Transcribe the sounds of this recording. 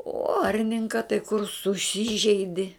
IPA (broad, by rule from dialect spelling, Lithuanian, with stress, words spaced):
oː ˈɐrʲnʲɪŋkɐ tɐɪ kʊr sʊˈsʲiːʒʲɛɪdʲɪ